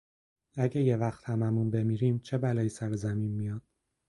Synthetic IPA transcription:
æɟejevæxt̪hæmæmunbe̞miːɾiːmt͡ʃʰebælɒːjisæɾezæminmijɒːd̪̥̚

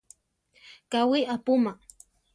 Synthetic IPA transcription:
kawɪapʊma

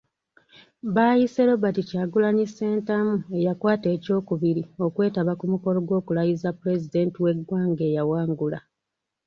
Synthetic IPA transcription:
βaːjise̞lo̞βaticaːɡulaɲise̞ːntamue̞jakwaːte̞ːco̞ːkuβiɾio̞kwe̞ːtaβakumuko̞lo̞ɡwo̞ːkulajizapule̞zide̞ntiwe̞ɡwaːŋɡe̞ːjawaːŋɡula

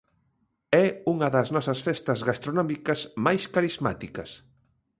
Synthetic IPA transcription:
ɛuŋɐðɐznɔsɐsfɛst̪ɐzɣast̪ɾonɔmikɐsmajskaɾizma̰t̪ikɐs

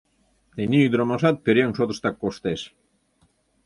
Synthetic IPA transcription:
t̪enʲiyd̪ɾɑmɑʃɑt̪̚peɾʲeŋʃot̪ə̥̆ʃt̪ɑkːoʃt̪eʃ

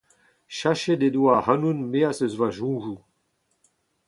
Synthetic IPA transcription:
ʃaʃed̪ed̪uahanunmeasəzvaʒũːʒu

